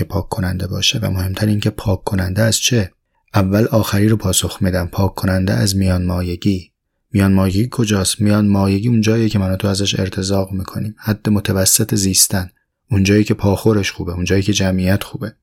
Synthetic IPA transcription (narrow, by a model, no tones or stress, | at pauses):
epʰɒːkʰːonænd̪e̞bɒ̰ːʃevæ̰mohe̞mt̪ʰæɾiːŋcʰe̞pʰɒːkʰːo̞nænd̪eæst͡ʃʰe | ʔævːælɒːxæɾiːɾopʰɒːso̞xmid̪æmpʰɒːkʰːonænd̪eæzmijɒːnmɒːjeɟiː | mijɒːnmɒːjeɟiːkʰo̞d͡ʒɒːsmijɒːnmɒːjeɡiːund͡ʒɒːijecʰemænɒt̪ʰoæzæʃe̞̰ɾt̪ʰe̞zɒːɣmiːkʰo̞niːmhæd̪̥ːe̞mot̪ʰævæsːet̪ʰeziːst̪æn | und͡ʒɒːjiːcʰe̞pʰɒːxo̞ɾe̞ʃxuːbe̞und͡ʒɒːjiːcʲʰe̞d͡ʒæmijæt̪ʰxuːbe̞